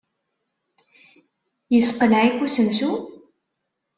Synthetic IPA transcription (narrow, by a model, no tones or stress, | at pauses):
jəsqənʕikʷːusəmsu